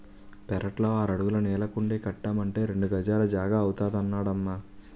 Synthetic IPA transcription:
pɛɾɐʈlo̞ːaːɾɐɽuɡulɐnɛːlɐkuɳɖeːkɐʈːaːmɐɳʈe̞ːɾe̞ɳɖuɡɐd͡ʒaːlɐd͡ʒaːɡaːwut̪aːd̪ɐnːaːɽɐmːaː

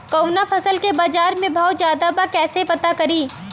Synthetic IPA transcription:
kɐwnafʰɐsəlkebaːd͡ʒaːɾmẽbʱɔːt̪zjaːd̪abakɛːsepɐt̪akɐɾiː

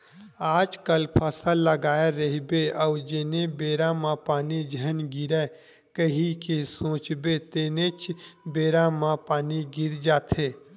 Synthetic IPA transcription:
aːd͡ʒkəlpʰəsəlːəɡaːeɾəɦibeɔːd͡ʒeːnebeːɾamãpaːnid͡ʒʱənɡɪɾɛ | kəɦikesõːt͡ʃbet̪eːnet͡ʃbeːɾamãpaːniɡɪɾd͡ʒaːt̪ʰeː

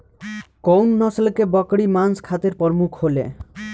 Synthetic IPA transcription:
kownːɔslkebɔkɽimanskʰat̪iɾpɔɾɔmukʰɦolḛ

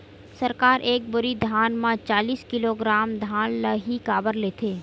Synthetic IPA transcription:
səɾkaːɾʔeːk̚bʊɾid̪ʱjaːnmãt͡ʃaːliːskɪloɡɾaːmd̪ʱaːnləɦikaːbəɾleːt̪ʰeː

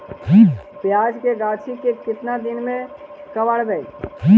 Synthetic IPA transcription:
ɦipjaːd͡ʒkeɡaːt͡ʃʰikekɪt̪nad̪ɪnmẽkəʋəɽb̪ɛi

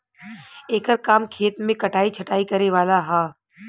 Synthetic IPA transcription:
eːkəɾkaːmkʰeːt̪mẽkɐʈaːit͡ʃʰɐʈaːikɐɾeʋaːlaɦaː

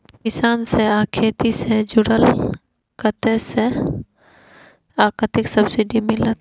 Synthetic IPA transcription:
kɪsaːnseaːkʰeːt̪ised͡ʒʊɽəl | kət̪ese | aːkət̪ɪksəbsɪɖimɪlət̪

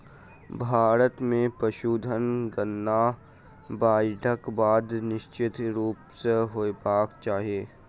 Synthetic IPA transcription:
bʱaːɾət̪mẽpɾəʃuːd̪ʱənɡənːa | baːjɖʱəkbaːd̪nɪʃt͡ʃɪt̪ɾuːpseɦoːepaːkt͡ʃaːɦieː

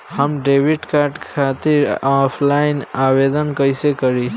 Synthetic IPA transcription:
həmɖeːʋiʈkaːɾʈkʰat̪iɾapʰlainaːʋed̪ənkəjsekəɾi

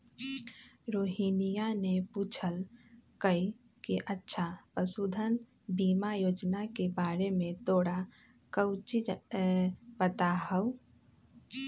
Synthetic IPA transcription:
ɾoːɦinijanepuːt͡ʃʰəlkəi | kiʔətːʃʰapəsuːd̪ʱən | bimajoːd͡ʒnakebaɾemẽt̪oːɽa | kəwt͡ʃid͡ʒ | bət̪aɦəʊ

